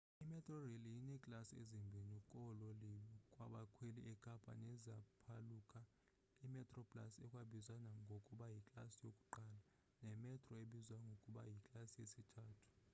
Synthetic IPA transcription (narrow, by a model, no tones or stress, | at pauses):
imɛtʼrɔrelijinɛkʼlasiezimbʱinikʼɔlɔlikʼwa̰ɓakʰweliʔɛkʼapʰʼa̰nɛzapʰalukʼa | imɛtʼrɔpʼla̰sɛkʼwaɓizwanaŋɡʱokʼuɓajikʼlasijokʼuǃaːla | nɛmɛtʰʼrɔeɓizwaŋɡʱokʼuɓa̰jikʼlasijesitʰaːtʰu̥